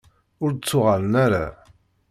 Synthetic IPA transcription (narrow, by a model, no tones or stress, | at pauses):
ʊɾd̪t͡sːʊʁalənæɾa